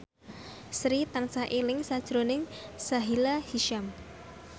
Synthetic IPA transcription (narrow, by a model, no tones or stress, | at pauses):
sɾit̪aŋsaʔelɪŋsad̥ʒ̥ɾonɪŋsaɦilahiʃam